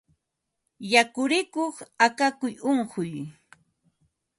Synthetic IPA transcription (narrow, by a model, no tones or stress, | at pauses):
jakʊɾɪkoχakakʊjoɴhʊj